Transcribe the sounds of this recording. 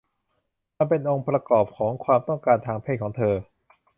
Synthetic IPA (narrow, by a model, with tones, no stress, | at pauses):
ma˧npe˧nʔo˧ŋpɾa˧kɔː˨˩p̚kʰɔː˩˦ŋkʰwaː˧mt̪ɔ˥˩ŋkaː˧nt̪ʰaː˧ŋpʰeː˥˩kʰːŋt̪ʰɤː˧